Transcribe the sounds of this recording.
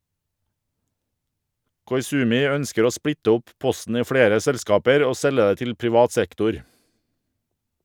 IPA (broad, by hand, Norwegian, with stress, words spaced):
kɔʏˈsʉːmɪ ˈœnskəɾ ˈoː ˈspɽɪtə ˈʊp ˈpɔsn̩ ˈiː ˈfɽeːɾə ˈsɛlˌskɑːpəɾ ˈoː ˈsɛlə ˈeː ˈtɪl pɾɪˈʋɑːt ˈsɛktʊɾ